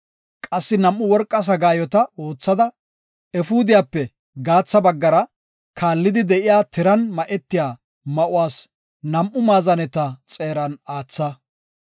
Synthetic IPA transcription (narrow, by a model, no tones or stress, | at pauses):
kʼɐsːɪnɐmːʊwɔɾkʼːɐs̬ɐɡaːjɔt̪ɐo̞ːt͡sːɐd̪ɐ | ɛfuːd̪ɪjaːpːɛ | ɡaːt͡sːɐbɐɡːɐɾɐ | kʰaːlːɪd̪ɪd̪ɛʔɪjaːt̪ʰɪɾɐnmɐʔɛt̪ːɪjaː | mɐʔʊwaːs | nɐmʔʊmaːzɐnɛt̪ɐt͡sʼe̞ːɾɐnaːt͡sːɐ